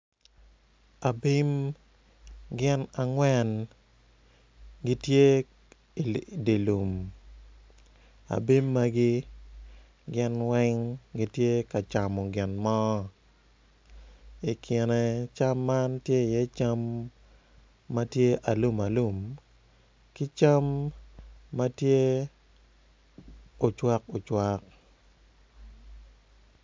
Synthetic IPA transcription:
a˨bi˦m | ɡɪ˦na˨ŋwɛ˦n | ɡi˦tje˦˨ | di˨lu˨m | a̰˨bi˦mːa˦ɡɪ˦ | ɡɪ˦nwɛ˦ŋɡɪ˦tje˦ka˨t͡ʃa˨mɔ˨ɡɪ˨nmɔ˦ | i˨kʰɪ˨nɛ˨t͡ʃa˦mːa˦ntje˦˨jɛ˦t͡ʃa˦m | a˦tje˦ʔa˨lu˦ma˨lu˦˨m | kɪ˦t͡ʃa˦mː | a˦tje˦ | o˨t͡ʃwa˦ko˨t͡ʃwa˦k̚

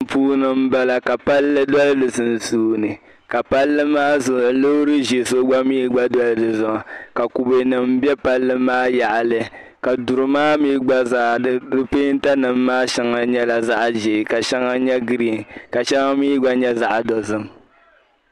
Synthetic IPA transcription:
puː˦nɨ˦m̩˦ba˦la˨ka˨pa˦lːɨ˦dɔ˦lɨ˦dɨ˨zɨ˨n˨suː˦nɨ˨ | ka˨pa˦lːɨ˦maː˦zʊ˨lo˦ɾɨ˦ʒe˨so˦ɡ͡ba˦miː˦ɡ͡ba˦dɔ˦lɨ˦˨dɨ˨zʊ˨a˨ka˨ku˨be˨nɨ˨m̩˦bɛ˦pa˦lːɨ˦maː˦ja˨ʔa˨lɨ˦ | ka˨du˨ɾɨ˨maː˦miː˦ɡ͡ba˦zaː˦˨dɨ˦dʊ˦peː˦n̩˦ta˦nɨ˨m̩ː˦aː˦ʃɛ˦ŋa˨ɲɛ˦la˨za˦ʔʒe˨ka˨ʃɛ˦ŋa˦ɲɛ˦ɡɨ˨ɾi˨ka˨ʃɛ˦ŋa˦miː˦ɡ͡ba˦ɲɛ˦za˦ʔa˨dɔ˨zɨ˦m

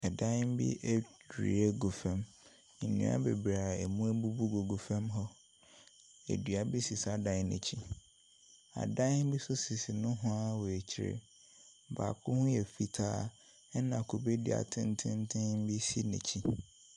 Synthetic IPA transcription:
ɛ˨dã˦m˦bḭ˦ʔɛ˦˨ɾḭ˨˦e˦ɡo˨fɛ̃˦m | n̩˨nḭ̃˦a̰˦be˨bɾa˨ɛ˨mũ˦ɛ˦bu˦bu˦ɡo˨ɡo˨fɛ̃˦mɦɔ˦ | ḛ˨dɥa˨bi˦si˨sa˦dã˦ɲ˦nɛ̰̃˨t͡ɕʰi˦ | a̰˨dã˦n˦bi˦sʊ˦sɪ˨sɪ˨nʊ̃˦ɦʊ̃˦a˦wɔ˨e˨t͡ɕʰɪ˦˨ɾɪ̰˨ | ba̰˨kʰʊ˦hʊ̃˦jɛ˨fi˨tʰaː˦ | ɛ˦nã˨kʰo˨be˦dḭ˨a̰˨tʰɪ̃˦n˦tʰɪ̃˦n˦tʰɪ̃˦m˦bi˦si˦nɛ̰̃˨t͡ɕʰi˦

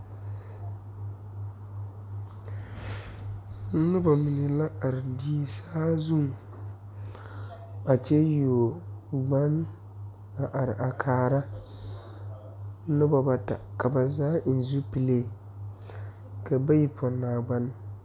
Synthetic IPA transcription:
nɨ˦ba˨mi˨nɪ˨la˦a˨ɾɪ˨di˦saː˦zu˦˨ŋ˨ | a˨t͡ʃɛ˦jo˨ɡ͡ba˦n | a˨ʔa˨ɾɪ˨ʔa˨kʰaː˨ɾa˦ | nʊ˦ba˨ba˨ta̰˨ka˨ba˨zaː˦ʔn˨zu˦pi˨le˦˨ | ka˨ba˦ji˨pʰɔ˨nːaː˨ɡ͡ba˦n˦

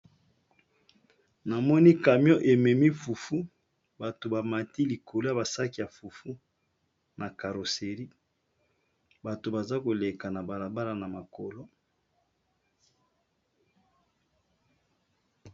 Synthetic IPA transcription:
na˨mɔ˦ni˦ka˨mjɔ˦ʔe˨mɛ˨mi˦fu˨fu˦ | ba˨to˨ba˨ma˨ti˦li˨kʰo˨lo˦a˨ba˨sa˦ki˨ja˨fu˨fu˦ | nʔa˨ka˨ɾo˨se˨ʁi˦ | ba˨to˨ba˨za˦ko˨le˨ka˨na˨ba˨la˨ba˦la˨na˨ma˨ko˨lo˦

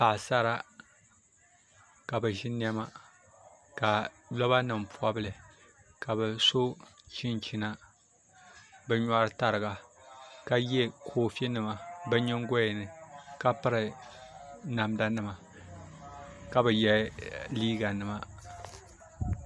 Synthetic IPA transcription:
pa˨sa˦ɾa˦ | ka˨bɨ˨ʒi˦ni˦ɛ˦ma˦ | ka˨lɔ˦βa˦nɨ˨mpu˦a˦bɨ˦lɨ˨ | ka˨bɛ˨so˦t͡ʃi˦nt͡ʃi˦na˦ | bɛ˦ɲa˦ɾɨ˦ta˨ɾɨ˨ɡa˨ka˨jɛ˦kʰoː˦fe˦nɨ˨ma˨bɨ˦ɲɪ˦ŋɡɔ˦jɪ˨nɨ˨ka˦pɨ˦ɾɨ˨ | na˨mda˦nɨ˨ma˨ | ka˨bɨ˨jɛ˦liː˦ɡa˨nɨ˨ma˨

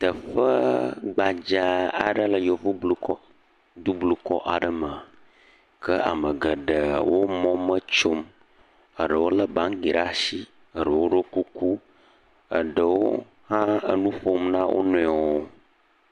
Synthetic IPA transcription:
t̪ə˨ɸə˦ɡ͡ba˨d͡ʒa˨a̰˨ɖə˦lə˨jo˨vu˦blu˨kɔ˦ | d̪u˦blu˨kɔ̰˦ʔa˨ɖə˨mə˨a˨ | kʰə˦ʔa̰˨mə˨ɡə˨ɖə˨wo˦mɔ̃˦mə˦t͡ʃo˦m | ə˨ɖə˨wo˦lə˦bã˨˦ŋɡi˨ɾa˦si˦ | ə˨ɖə˨wo˦ɖo˦ku˦ku˦ | ə̰˨ɖə˨wo̰˦ | hã˦ə̰˦nũ˦ɸo˦mnã˦wʔo̰˦nɔ̃˨ɔ˨wo˦

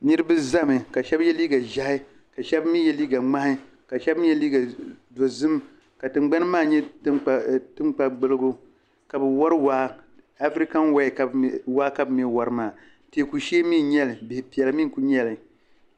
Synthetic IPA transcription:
nɨ˦ɾɨ˦bɨ˦za˦mɨ˨ka˨ʃɛ˦bjɛ˦liː˦ɡa˨ʒa˦hɪ˦ | ka˨ʃɛ˦bmi˦jɛ˦liː˦ɡa˨ŋ͡ma˦hɪ˦ | ka˨ʃɛ˦bjɛ˦liː˦ɡa˨do˨zɨ˦m | ka˨tɨ˨ŋ͡mɡ͡ba˦n˦maː˦˨ɲɛ˦ttɨ˦ŋ͡mk͡pa˨ɡ͡bɨ˦lɨ˦ɡo˦ | ka˨bɨ˨wɔ˦ɾɨ˦waː˦ | a˦fɾi˦ka˦nwa˦˨ka˨waː˦ka˦bɨ˦mɛ˦wa˨ɾɨ˦maː˦˨ | te˨ku˨ʃe˦mi˦ɲɛ˦lɨ˨bɪ˨hpi˨ɛ˨lɨ˦mi˦˨ku˦ɲɛ˦˨lɨ˨

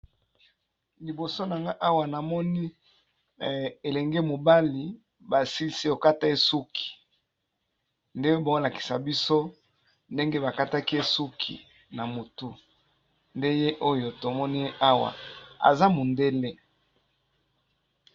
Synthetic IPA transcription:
li˨bo˨so˦na˨ŋɡa˦ʔa˦wa˨na˨mɔ˦ni˦ | e˨lɛ˨ŋɡe˦mo˨ba˦li˨ | ba˨si˦si˦o˨ka˦ta˦e˦su˦kʰi̥˨ | nde˦o˦ba˨˦o˦la˨ki̥˨sa˨bi˦so˦ | nde˦ŋɡe˦ba˨ka˦ta˦ki˦e˦su˦kʰḭ˨ | na˨mo˨tu˦ | nde˦je˦ʔo˦jo˨to˨mɔ˦ni˦je˦ʔa˦wa̰˨a̰˨za˦mo˨nde˦le˦

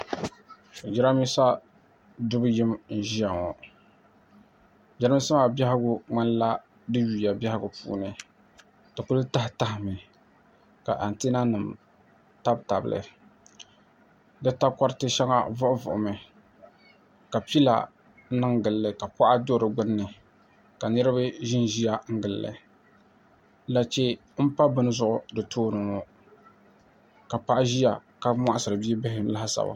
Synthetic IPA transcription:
d͡ʒɛ˦ɾa˦mi˦sa˦ | dʊ˦bjɪ˦mn̩˦ʒi˦a˨ŋɔ˨ | d͡ʒa˦ɾa˦mi˦sa˦ma˨bʲa˦hɪ˦ɡʊ˦ŋ͡ma˦nla˦ | dɨ˦ju˨ja˨bɛ˦hɪ˦ɡʊ˨pṵː˦nɨ˨ | tɨ˨ku˦lɨ˦ta˦hta˦hɪ˨mɨ˨ | ka̰˨ʔa˨n˨te˦na˦nɨ˨m | ta˦bta˨bɨ˨lɨ̰˨ | dɨ˦ta˦kɔ˦ɾtɨ˦ʃɛ˦ŋa̰˦vʊ˦ʔʊ˦vʊ̰˨ʔʊ˨mɨ˨ | ka˨pi˦la̰˨ | nɨ˦ŋɡɨ˨lːɨ˨ka˨pa˦ʔa˦do˦ɾɨ˨ɡ͡bʊ˦nːɨ˨ | ka˨nɨ˦ɾɨ˦bɨ˦ʒɪ˦nʒi˦ja˦ŋ̩˦ɡɨ˨lːɨ̰˨ | la˨t͡ʃe˦ | m̩˦pa˦bɨ˦nɨ˦zʊ˦ʔʊ˦dɨ˨tʰoː˦nɨ˨ŋɔ˦ | ka˨pa˦ʔa˦ʒi˦ja̰˨ka˦mʷa˦ʔa˦sɨ˨ɾɨ˨bi˦bɪ˦ɦɪ˨˦la˦hsa̰˨ba̰˨

